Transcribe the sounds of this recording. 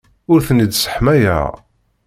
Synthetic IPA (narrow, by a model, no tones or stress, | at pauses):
ʊɾθənid̪sə̥ħmæjæ̰ʁ